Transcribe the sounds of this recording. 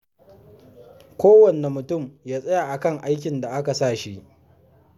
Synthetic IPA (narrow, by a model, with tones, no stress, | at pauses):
kʷoː˦wɐ˨ne˨mʊ˨tʊ˦˨mjaː˦sʼɐ˦ja˨ʔa˨kɐ˦˨ŋʔa˦jk̬ʲɪ˨nda˨ʔa˦ka˨saː˦˨ʃi˦ʔ